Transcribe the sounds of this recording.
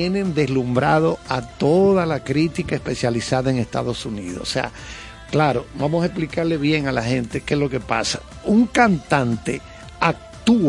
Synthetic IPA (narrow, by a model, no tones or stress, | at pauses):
enẽ̞nd̪e̞slumbɾaðo̞at̪o̞ðalakɾit̪ikaespe̞sjalisaðaeŋest̪a̰ðo̞sunḭðossḛa̰ | klaɾo̞bamosaesplikaɾle̞βje̞ŋalahẽ̞nt̪e̞kesloke̞pa̰sḁ | uŋkant̪ant̪e̞ | ak̚t̪u